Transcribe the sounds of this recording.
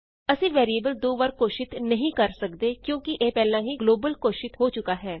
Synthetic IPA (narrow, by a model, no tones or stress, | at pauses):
əsĩːʋɛːɾiəːbəld̪oːʋəɾkoːʃɪt̪nəɦĩːkəɾsəkd̪eːkjõːkɪʔeːpɛːlãːɦiːɡloːbəlkoːʃɪt̪ɦoːt͡ʃʊkaːɦɛː